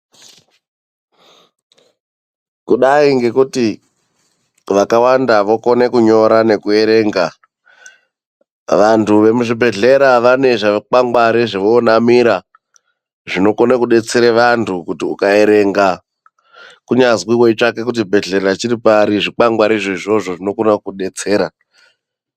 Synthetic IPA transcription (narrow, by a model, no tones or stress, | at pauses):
kuɗaiŋɡe̞kuti | ʋakawandaʋoko̞ne̞kuɲo̞ɾane̞kue̞ɾe̞ŋɡa | ʋantʰuʋe̞muʐibʱe̞ɮe̞ɾaʋane̞ʐak͡paŋɡwaɾiʐeʋoːnamiɾa | ʐino̞konakuɗe̞t͡seɾeʋantʰukutiukae̞ɾe̞ŋɡa | kuɲazwiweit͡ʂake̞k̬ut̬ibʱe̞ɮerat͡ʃiɾipaɾiʐik͡paŋɡwaɾiʐoiʐo̞ʐo̞ʐino̞konakuɗe̞t͡se̞ːɾa